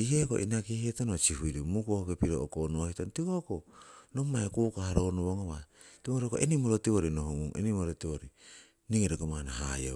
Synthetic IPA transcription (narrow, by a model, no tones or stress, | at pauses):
iheko̰ʔinakihietonot͡ʃihuiɾimukohokepiɾookonohitontikokonomːajkukahaɾonoβoŋoβa | timoɾokoenimoɾotiβoɾinohoŋuŋḛnimoɾotiβoɾi | niŋeɾeɡomanaha̰jo̰